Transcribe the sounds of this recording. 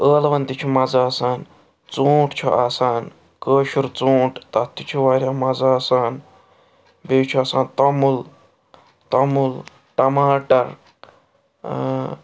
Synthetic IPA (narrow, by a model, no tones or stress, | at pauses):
əːlʋɐnt̪it͡ʃʰumɐzaːsaːn | t͡sõːʈt͡ʃʰuʔaːsaːn | kəːʃuɾt͡sõːʈt̪ɐt̪ːit͡ʃʰuʋaːɾjaːmɐzaːsaːn | beːt͡ʃʰuaːsaːnt̪ɐmul | t̪ɐmul | ʈɐmaːʈɐɾ